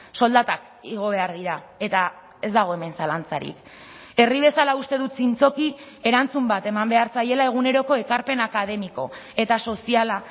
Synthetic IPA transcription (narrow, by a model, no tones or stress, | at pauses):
so̞ld̪at̪ak | iɣ̞o̞β̞e̞aɾðiɾa | e̞t̪a | e̞zd̪aɣ̞o̞e̞me̞nsalant͡saɾḭk | e̞riβ̞e̞salaust̪e̞ð̞ut̪t͡sint͡so̞ki | e̞ɾant͡sumbat̪e̞mambe̞aɾt͡saje̞lae̞ɣune̞ɾo̞ko̞e̞kaɾpe̞nakaðe̞miko̞e̞t̪aso̞siala